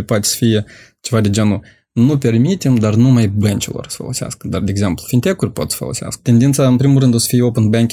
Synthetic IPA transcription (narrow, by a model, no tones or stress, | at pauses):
poat̪e̥sə̥fijet͡ʃe̞vad̪ed͡ʒanu | nupʲe̞rmit̪emd̪arnumajbənt͡ʃilo̰rsə̥fə̰lˠo̰sea̰skə̥d̪ard̪eeɡze̞mplˠufint̪ʲe̞kurʲpo̞t̪sə̥fə̰lˠo̰sea̰skə̥t̪ʲe̞nd̪int̪saɨnpɾimulˠrɨnd̪osə̥fijeopənbaŋkʲ